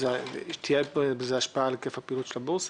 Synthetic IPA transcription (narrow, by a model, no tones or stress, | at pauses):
zʃt̪ʰijebzeaʃpaalekefhapiːlutʃelabos